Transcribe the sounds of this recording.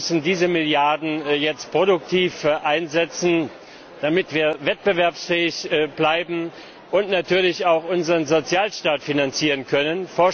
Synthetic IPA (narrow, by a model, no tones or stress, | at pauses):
sn̩diːzəmɪljaɐdn̩jɛt͡st̚pʁ̥odʊktʰiːfʔaɪnzɛt͡sn̩ | d̥amɪtv̥iːɐvɛt̚b̥əvɛɐpsfɛːɪçblaɪbm̩ | ʔʊntnatʰyːɐlɪçaʊxʔʊnzəʁənzot͡sjaːlʃtaːtfinant͡siːʁənkʰœnənfɔɐ